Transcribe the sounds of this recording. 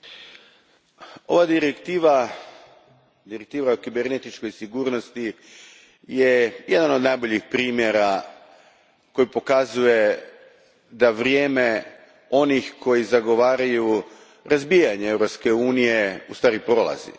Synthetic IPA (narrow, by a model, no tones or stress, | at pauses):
o̞̰ʋad̪iɾekt̪iːʋa | d̪iɾek̚t̪iːʋaokibeɾnet̪it͡ʃko̞jsiɡuːɾno̞st̪i | je̞jed̪ano̞d̪najbo̞ʎixpɾiːmje̞ɾa | ko̞jipo̞kazuje̞ | d̪aʋɾjeːme̞ | o̞nixkʰo̞jizaɡo̞ʋaːɾaju | ɾazbijaɲeevɾo̞pske̞uːnije̞ust̪ʋaːɾipɾo̞lˠa̰zḭ